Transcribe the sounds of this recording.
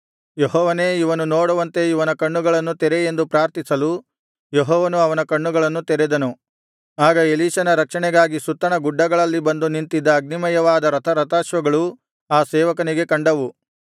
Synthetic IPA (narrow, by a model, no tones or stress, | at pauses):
jeɦɔːʋɐne̞ːiʋɐnunoːɽɐʋɐnt̪e̞iʋɐnɐkɐɳːuɡɐɭɐnːut̪ɛɾeend̪upɾaːɾt̪isɐlu | jeɦɔːʋɐnuɐʋɐnɐkɐɳːuɡɐɭɐnːut̪ɛɾɛd̪ɐnu | aːɡɐeliːʃɐnɐɾɐkʂɐɳɛɡaːɡisut̪ːɐɳɐɡuɖːɐɡɐɭɐlːibɐnd̪unint̪id̪ːɐːɡ̚nimɐjɐʋaːd̪ɐɾɐt̪ʰɐɾɐt̪aːʃʋɐɡɐɭu | aːsɛːʋɐkɐniɡe̞kɐɳɖɐʋu